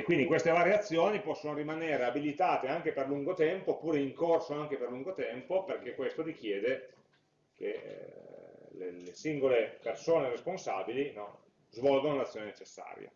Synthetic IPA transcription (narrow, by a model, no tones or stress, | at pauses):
kːwind̪ikwest̪evaːɾjeat̪sːjoːnipɔsːonoɾimaneːɾeabilit̪aːt̪eaŋk̟eperluŋɡot̪ɛmpopuːɾeiŋkorsoaŋk̟eperluŋɡot̪ɛmpoperk̟ekːwest̪ot̪ik̟jɛːd̪e | k̟ḛ | lelesiŋɡolepersoːneresponsa̰ːbilinɔ | zvɔlɡonolat̪sːjoːnenet͡ʃesːa̰ːɾja̰